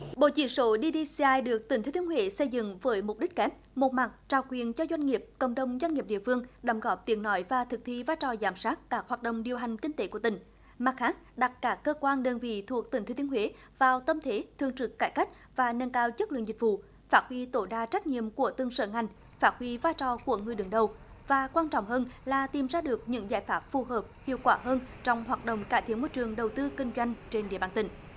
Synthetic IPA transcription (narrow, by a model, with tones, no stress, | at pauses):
ɓo̰˧˨t͡ɕḭ˧˩ənso˧˦ɗi˧ɗi˧si˧ʔaː˧jɗɨ˨˩ək̚t̪i˨˩ŋt̪ʰe˨˦t̪i˨˦ə˦hwe˨˦sə˧jzɨ̰˧˨ŋvəː˨˦jmʊ˨˩k͡p̚ɗi˦˥k̟̚kɛ˦˥p̚mo˨˩t̚ma˨˩t̚t͡ɕaː˨˩wkwi˨˩ənt͡ɕɔ˧zwa˧jŋ̟ŋi˨˩əp̚kə̰˧˨wŋ͡mɗə˨wŋ͡mzwa˧jŋi˨˩p̚ɗḭ˧˨əfɨ˧əŋɗə˨˦wŋ͡mɣɔ˨˦˥p̚t̪i˨˦ənnɔ˨˦jvaː˨˩t̪ʰɨ˨˩k̚t̪ʰi˧vaː˧jt͡ɕɔ˨˩zaː˨˩msaː˦˥t̚kaː˦˥k̚haː˨˩t̚ɗə̰˧˨wŋ͡mɗi˨˩əwɦa˨˩jŋ̟kï˧ŋ̟t̪e˨˦ku˧˩ət̪ï˧˨˩ŋ̟ | ma˨˩t̚xhaː˦˥t̚ɗa˨˩t̚kaː˦˥kːəː˧kwaː˧nɗəː˧nvḭ˧˨t̪ʰu˨˩ək̚t̪ï˨˩ŋ̟t̪e˨˧˦t̪i˨ə˦hwe˨˦ | vaː˨˩wt̪ə˧mt̪ʰe˨˦t̪ʰɨ˨˩əŋt͡ɕɨ˨˩kːaː˧˩jka˦˥jk̟̚ | vaː˨˩nə˧nkaː˧wzə˦˥t̚lɨ̰˧˨ŋzi˨˩k̟̚vṵ˧˨ | faː˦˥t̚hwi˧˦t̪o˧˩jɗaː˧t͡ɕa˦˥jk̟̚ɲḭ˧˨əmku˧˩ət̪ɨ˧ŋsə̰ː˧˩ŋa˨˩jŋ̟ | faː˦˥t̚hwi˨˦vaː˧jt͡ɕɔ˨˩ku˧˩əŋɨ˨˩əjɗɨ˨˦ŋɗə˨˩w | vaː˨˩kwaː˧nt͡ɕɔ̰˧˨wŋ͡mɦəː˧nlaː˨˩t̪i˨˩mzaː˧ɗɨ˨˩ək̚ɲɨ̰˧˥ŋza̰ː˧˩jfaː˦˥p̚fu˨˩ɦəː˨˩p̚hḭ˧˨əwkwaː˧˩ɦəː˧nt͡ɕɔ˧wŋ͡mhwaː˨˩t̚ɗo̰˧˨wŋ͡mkaː˧˩jt̪ʰi˧˥ənmoː˧jt͡ɕɨ˨˩əŋɗə˨˩wt̪ɨ˧kï˧ŋ̟zwa˧jŋ̟t͡ɕe˧nɗḭ˧˨əɓaː˧˩nt̪ï˧˩ŋ̟